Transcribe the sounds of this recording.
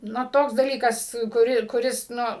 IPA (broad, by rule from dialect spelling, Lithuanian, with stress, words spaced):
ˈnʊ ˈtoːks dɐˈlʲiːkɐs kʊˈrʲɪ kʊˈrʲɪs ˈnʊ